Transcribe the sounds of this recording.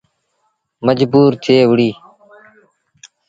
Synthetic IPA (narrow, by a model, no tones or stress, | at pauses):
məd͡ʒbuːɾt̪ʰeːʋʊɽiː